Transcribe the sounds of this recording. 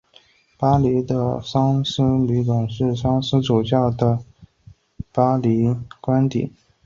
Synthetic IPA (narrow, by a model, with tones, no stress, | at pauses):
pa˥li˧˥d̪ə˧ʂɑ˥ŋs̩˥ly˧˥kʊ˨˩ŋʂɻ̩˥˩ʂɑ˥ŋsɹ̩˥ʈ͡ʂu˨˩t͡ɕjɑ˥˩ʊd̪ə˩ | pa˥li˧˥kwa˥nt̪ḭ˨˩˦